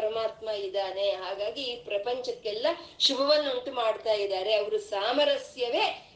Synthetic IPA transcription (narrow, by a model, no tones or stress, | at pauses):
ɐɾɐmaːt̪mɐid̪aːne̞ɦaːɡaːɡiiːpɾɐpɐɲt͡ʃɐkːɛlːɐʃubʱɐʋɐnːoɳʈ̪umaːɖt̪aːjid̪aːɾe̞ɐʋɐɾusaːmɐɾɐsjɐʋe̞ː